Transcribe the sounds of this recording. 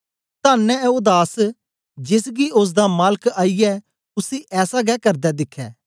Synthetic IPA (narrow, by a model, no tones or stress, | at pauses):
t̪aːnːɛ̃oːd̪aːs | d͡ʒɪs̬ɡiʊs̬d̪amaːləkaːijɛː | ʊsiʔɛːsaɡɛːkɐɾd̪ɛd̪ɪkʰːɛ̰ː